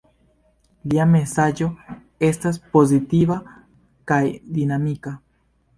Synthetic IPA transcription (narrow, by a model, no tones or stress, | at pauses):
liame̞sad͡ʒo̞ | e̞stas̬po̞zitiva | kajd̪inamika